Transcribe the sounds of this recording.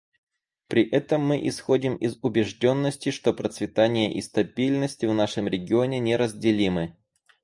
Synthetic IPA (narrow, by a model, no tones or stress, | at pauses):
pɾʲɪʔɛt̪əmːɨʔɪsxo̞dʲɪmɪzʊbʲɪʐdʲo̞nːəsʲtʲɪʂt̪o̞pɾət̪svʲɪt̪anʲɪjəʔist̪ɐbʲilʲnəsʲtʲɪvnaʂɨmɾʲɪɡʲɪo̞nʲɪnʲeɾəzʲdʲɪlʲimɨ